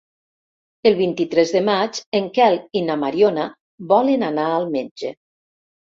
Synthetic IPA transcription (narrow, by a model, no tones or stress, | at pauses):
əlˠβint̪it̪ɾɛzðəmad͡ʒeŋkɛlinamaɾjona | bɔlənanaːlˠmed͡ʒe